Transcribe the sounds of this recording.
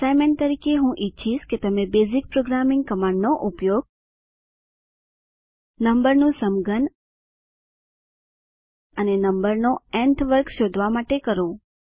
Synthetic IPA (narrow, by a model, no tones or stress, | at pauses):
sajmeɳt̪əɾikeɦũʔiːt͡ʃʰiʃket̪əmebezik̚pɾoɡɾamɪ̃ŋɡ̚kəmaɳɖnoʔupjoɡ̚ | nəmbəɾnũsəmɡən | ənenəmbəɾnoɛɳʈʋəɾkʃod̪ʱʋamaʈekəɾo